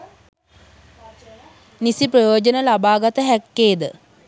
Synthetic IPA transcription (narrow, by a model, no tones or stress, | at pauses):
nisiprəjoːd͡ʒənəlabaːɡat̪əɦækːeːd̪ə